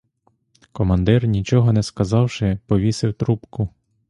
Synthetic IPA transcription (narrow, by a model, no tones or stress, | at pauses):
kɔmɐnd̪ɪrnʲit͡ʃɔɦɔnɛskɐzɑwʃɪpɔʋʲisɪwt̪ɾupkʊ